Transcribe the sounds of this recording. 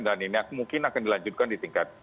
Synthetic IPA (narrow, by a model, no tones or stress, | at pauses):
daniniakmuŋkɪnakandilaɲd͡ʒʊt̪̚kandit̪iŋkat̪̚